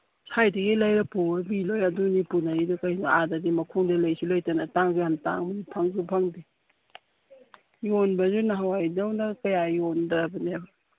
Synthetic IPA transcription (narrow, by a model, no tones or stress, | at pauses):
sajdɐɡilajɾɐpuɐbilojɐdunipunaidukajnuadadimɐkʰoŋdɐlajsulojtanataŋzuhanta̰ŋmiipʰaŋzupʰaŋdi | jonbɐzunaɦawajdawnɐkɐjajɔndabaniaba